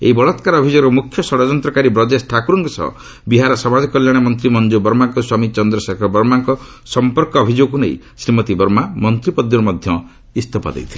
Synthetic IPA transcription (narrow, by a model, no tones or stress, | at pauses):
ḛibɔɭɔt̪kaɾɔːbʱid͡ʒoɡɔmukʰːjɔsɔɽɔd͡ʒɔnt̪ɾɔkaɾibɾɔd͡ʒesʈʰakuɾuŋkɔsɔ̰ | biɦaɾɔsɔmad͡ʒɔkɔljaɽ̃emɔnt̪ɾimɔnd͡ʒobɔɾmaŋkɔswamit͡ʃɔnd̪ɾɔsakʰɔbɔɾmaŋkɔ | sɔmpɔɾkɔːbʱid͡ʒoɡkunḛj | sɾimɔt̪ibɔɾmamɔnt̪ɾipɔd̪jɔɾmɔd̪ʱjɔ | ist̪ʰɔpa̰d̪ḛjt̪ʰile